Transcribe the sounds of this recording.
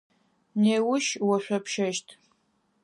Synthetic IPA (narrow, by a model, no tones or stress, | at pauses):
neːwʊʃwɐʃʷɐpʰʃɐʃtʰ